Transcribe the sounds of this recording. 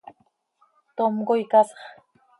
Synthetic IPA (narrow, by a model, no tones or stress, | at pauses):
t̪omɢojkɑsɑ̥χ